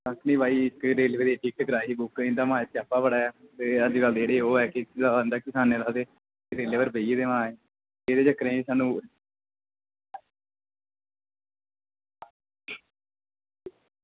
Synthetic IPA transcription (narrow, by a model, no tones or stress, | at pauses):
sakʰniːbaːiːɪkɾeːleːʋeɾeʈɪkʈɡɾaːɦiːbʊkɪ̃nd̪aːmãːet̪ːaːpaːbəɽaːɛːt̪eːəd͡ʒkəld̪eːɽeːoːɛːkɪaənd̪aːkɪsaːneːlaːd̪eː | eɾeːleːʋəɾbəiːeːd̪eːmãːeː | eːd̪eːd͡ʒt͡ʃəkɾẽːsaːnũː